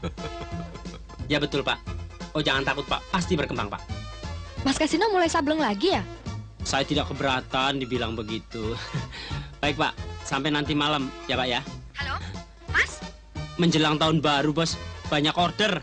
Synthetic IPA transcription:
jabət̪ʊlpaʔod͡ʒaŋant̪akʊt̪̚pa̰ʔpast̪ibərkəmbaŋpa̰ʔ | maskasinamulajsabləŋlaɡijasajat̪idaʔkəbəɾat̪andibilaŋbəɡit̪u | b̥aɪk̚pa̰ʔsampɛnant̪imalamjapaʔjahalo | mas | məɲd͡ʒəlaŋt̪aʊnbaɾubɔsb̥aɲakɔrdər

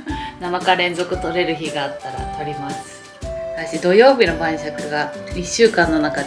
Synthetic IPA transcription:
namakaɾẽ̞nzo̞kɯ̟t̪o̞ɾe̞ɾɯ̟çiɡaːt̪ːaɾa̰t̪o̞ɾʲimasɨ̥ | t̪aɕid̪o̞jo̞ːbʲino̞bãɰ̃ɕakɯ̟ɡaiɕːɨːkãnːo̞naka

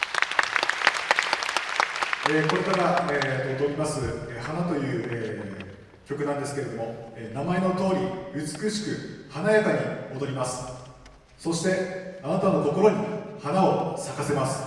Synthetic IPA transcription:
eko̞ɾe̞kaɾaeod̪o̞ɾʲimasɨehanat̪o̞jɯ̟ːe | kʲo̞kɯ̟nãnd̪e̞sɨ̥ke̞ɾe̞d̪o̞mo̞enamae̞no̞t̪o̞ːɾʲiɯ̟t͡sɨ̥kɯ̟ɕi̥kɯ̟hanajat̪aɲ̟imo̞d̪o̞ɾʲimasɨ̥ | so̞ɕi̥t̪e̞anat̪ano̞k̪o̞ko̞ɾo̞ɲ̟ihanao̞sakase̞masɨ̥

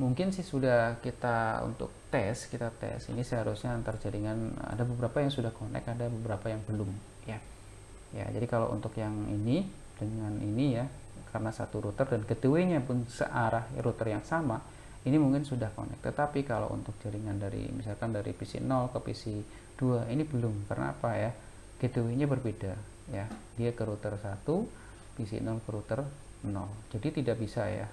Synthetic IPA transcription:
muŋkɪnsɪhsudahkit̪aṵnt̪ʊ̰k̚t̪ɛskit̪at̪ɛ̰sḭnisəɦaɾusɲat̪ərd͡ʒaɾiŋana̰dabəbəɾapajaŋsudahkonɛ̰kadabəbəɾapajaŋbəlʊm | ja | ja̰d͡ʒadikala̰ʔṵnt̪ʊkjaŋini | dəŋanʔinija | kʰaɾənasa̰t̪uɾut̪ərdankət̪əwiɲapʊnsə̰ʔaɾahɾut̪ərjaŋsama | inimuŋkɪnsudahko̰nɛ̰k̚t̪ət̪apikalo̰wʔṵnt̪ʊk̚d͡ʒaɾiŋandaɾḭmḭsalkandaɾḭpisḭnɔlkəpḭsi | d̥uainibəlʊmkarəna̰a̰paja | ɡ̥ət̪əwiɲabərbeda | ja | diakəɾut̪ərsat̪u | pisḭnɔlkəɾut̪ər | ənɔld͡ʒadit̪idak̚bisaja̰

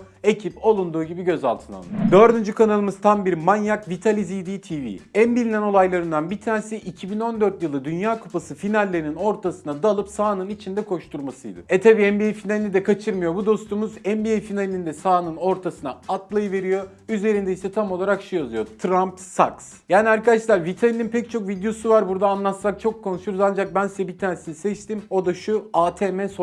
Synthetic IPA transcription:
e̞cʰipo̞lˠund̪uːɟibiɟø̞za̰lˠt̪ʰɯna̰lˠɯ̰jod̪ø̞ɾd̪ynd͡ʒykʰanalˠɯmɯz̥t̪ʰambiɾmanjakvit̪ʰalʲizijd̪iːt̪ʰivḭænbilʲinæno̞lˠajlˠaɾɯnd̪anbit̪ʰaːnsɛʔicʰibino̞nd̪øɾt̪jɯlˠɯd̪ynjaːkʰu̥pʰasɯfinalʲːeɾinino̞ɾt̪ʰasɯnad̪alˠɯpsaːnɯnit͡ʃʰind̪ɛkʰo̞ʃt̪ʰuɾmasɯjd̪ɯ̰ɛt̪ʰabiːɛnbiejfinalʲinid̪ɛkʰat͡ʃʰɯɾmɯjo̞bud̪o̞st̪umuzɛmbiejfinalʲinʲind̪ɛsaːnɯno̞ɾt̪ʰasɯna̰at̪lˠajɯve̞ɾijo̞ | yze̞ɾind̪ɛisɛt̪ʰamo̞lˠaɾakʃujazɯjo̞t̪ʰɾamp̪̚sa̰ks | jaːniaɾkad̪aʃlˠaɾvit̪ʰajininpʰɛct͡ʃʰo̞kvid̪jo̞suvaɾbuɾd̪aːnlˠat̪sak̚t͡ʃʰo̞kʰːonuʃyɾzand͡ʒak̚bænsizɛbit̪ʰaːnesinisɛt͡ʃt̪ʰimo̞d̪aʃuaːt̪ʰeːmɛso

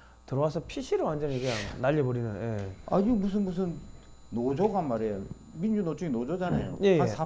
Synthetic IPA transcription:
tɯɾʌwasʰʌpʰiɕʰiɾɯɭwand͡ʑʌniɡɯjaŋnaʎːebʌɾinɯnjḛa̰ɲiɡmus̬ʰɯnmus̬ʰɯnː | od͡ʑʌɡanmaɾejo | mind͡ʑunot͡ɕ͈ɯɡinod͡ʑʌd͡ʑana̰jo̰jeasʰa

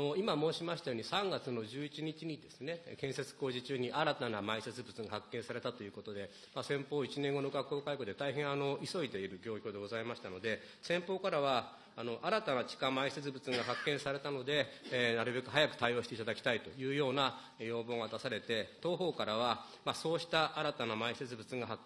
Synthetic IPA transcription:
oimamo̞ːɕimaɕi̥t̪ajo̞ːɲisãŋɡat͡sɨno̞ʑɨːit͡ɕiɲ̟it͡ɕiɲ̟id̪e̞sɨnekẽ̞ɰ̃se̞t͡sɨ̥ko̞ːʑit͡ɕɨːɲ̟iʔaɾat̪anamaise̞t͡sɨbɯ̟t͡sɨŋɡahakːẽ̞ɰ̃saɾe̞t̪at̪o̞jɯ̟ːko̞t̪od̪e̞ | masẽ̞mpo̞ːit͡ɕinẽŋɡo̞no̞ɡakːo̞ːkaiko̞d̪e̞t̪aiɦẽ̞ɰ̃ano̞iso̞id̪e̞iɾɯ̟ɡʲo̞ːkʲo̞ːd̪e̞ɡo̞zaimaɕi̥t̪ano̞d̪e̞ | sẽ̞mpo̞ːkaɾaβaː | no̞ʔaɾat̪anat͡ɕi̥kãmaiset͡sɨbɯ̟t͡sɨŋɡaɦakːẽɰ̃saɾe̞t̪ano̞d̪e̞naɾɯ̟be̞kɯ̟ɦajakɯ̟̥t̪aio̞ːɕi̥t̪e̞it̪ad̪akʲi̥t̪ait̪o̞jɯ̟ːjo̞ːna | jo̞ːbo̞ːŋat̪asaɾe̞t̪e̞t̪o̞ːɦo̞ːkaɾaβa | maso̞ːɕi̥t̪aʔaɾat̪anamaise̞t͡sɨbɯ̟t͡sɨ̃ŋɡaɦakː

